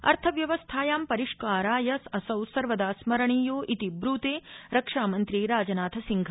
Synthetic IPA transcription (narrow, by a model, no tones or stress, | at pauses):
ɐ̰ɾt̪ʰɐʋjɐʋɐst̪ʰaːjaːmpɐɾiʂkaːɾaːjɐsɐsɐwsɐɾʋɐd̪aːsmɐɾɐɳiːjoːʔit̪ibɾuːt̪eːɾɐkʂaːmɐnt̪ɾiɾaːd͡ʒɐnaːt̪ʰɐsiŋɡʱɐ